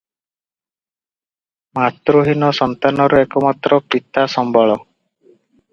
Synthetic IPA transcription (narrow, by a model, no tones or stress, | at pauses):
mat̪ɾuɦinɔsɔnt̪anɔɾuekɔmat̪ɾɔpit̪asɔmbɔɭɔ